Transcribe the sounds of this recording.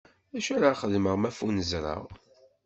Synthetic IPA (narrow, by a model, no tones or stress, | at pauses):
æʃæɾaχəðməʁmæfunəzɾˤə̰ʁ